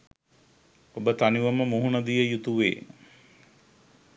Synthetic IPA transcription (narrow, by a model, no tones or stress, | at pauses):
obət̪aniʋəməmuɦunɐd̪ijəjut̪uʋḛː